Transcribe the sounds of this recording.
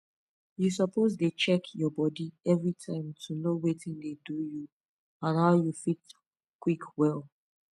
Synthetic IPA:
jus̬ɔpozdet͡ʃɛkʰjɔbɔdiɛvɹitʰãɪ̃mtʰunowetĩndeduju | ãnhaʊjufit | kwikwɛl

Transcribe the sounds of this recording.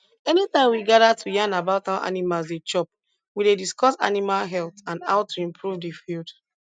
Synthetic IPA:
ɛnitãɪ̃mwiɡadatʰujãnabaʊtawaʔa̰nimalsdet͡ʃɔp̚ | widediskɔsa̰nimalɦɛlˠtãnda̰ʊtuĩmpʰɹuvdifild

